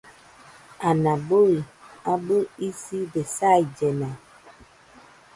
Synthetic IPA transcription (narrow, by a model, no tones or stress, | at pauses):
anaboiabəisibesaid͡ʒɛna